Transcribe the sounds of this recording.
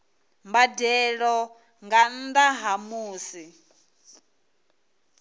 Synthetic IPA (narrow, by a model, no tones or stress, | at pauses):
mbadɛɺɔ | ŋɡan̩d̪aɦamuːsi